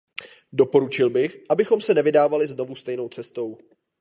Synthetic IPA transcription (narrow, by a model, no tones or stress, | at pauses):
do̞po̞ɾut͡ʃɪlbɪxʔabɪxo̞msɛnɛvɪdaːvalɪzno̞vust̪ɛjno̞wt͡sɛst̪o̞w